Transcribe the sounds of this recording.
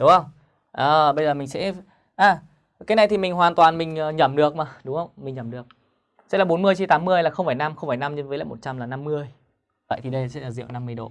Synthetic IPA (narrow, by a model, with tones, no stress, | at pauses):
ɗʊ˨˦ŋ͡mhə˧wŋ͡m | ʔəː˨˩ɓə˧jzəː˨˩mï˨˩ŋsɛ̰˧˥ | ʔaː˨˩ | kaː˨˦jna˨˩jt̪ʰi˨˩mï˨˩ŋ̟ɦwaː˨˩nt̪waː˨˩nmï˨˩ŋ̟əː˨˩ɲə˧˩mɗɨ˨˩ək̚maː˨˩ɗʊ˨˦ŋ͡mhə˧wŋ͡mmï˨˩ŋ̟ɲəː˨˧˩mɗɨ˨˩ək̚ | sɛ̰˧˥laː˨˩ɓo˨˦nmɨ˧əjt͡ɕi˧t̪aː˨˦mːɨ˧əjlaː˨˩xə˧wŋ͡mfaː˧˩jna˧mxə˧wŋ͡mfaː˧˩jna˧mɲ˧˨˦nvəː˨˦jl̰ːjmo˨˩t̚t͡ɕa˧mlaː˨˩na˧mːɨ˧əj | və̰˧˨jt̪ʰi˨˩ɗə˧jsɛ̰˧˥laː˨˩zḭ˧˨ə˨wna˧mːɨ˧əjɗo̰˧˨